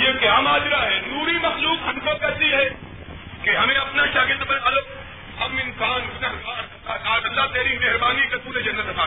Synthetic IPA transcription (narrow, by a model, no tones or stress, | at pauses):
jekeɦɐmaːd͡ʒɪɾaɦɛnuːɾimɐxluːkɦɐnkokɛːsiɦɛː | keɦɐmẽɐpnaʃaːɡɪld̪bɐnɐlo | hɐmɪnsaːnɡnaɦa | aːt̪ɐlːat̪eːɾimeɦɾbaːnikepuːɾed͡ʒɐnːət̪paː